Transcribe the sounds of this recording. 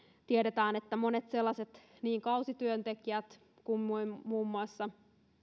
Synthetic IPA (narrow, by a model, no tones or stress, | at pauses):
t̪ieɾet̪æːnet̪ːæmo̞ne̞t̪se̞lːɑse̞t̪ | niːŋkɑwsit̪yønt̪e̞kiæt̪ | kummuimuːmːuɑsːɑ